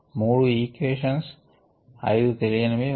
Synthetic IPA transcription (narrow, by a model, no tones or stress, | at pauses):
muːɽuiːkʋeːʂɐns | ɐ̰jd̪ut̪elijɐnɐmi